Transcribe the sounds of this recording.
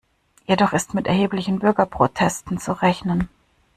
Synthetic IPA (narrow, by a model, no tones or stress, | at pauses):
jedɔχɪstmɪtɛɐɦeːplɪçn̩bʏɐɡɐpʁ̥otʰɛstn̩t͡suʁɛçnən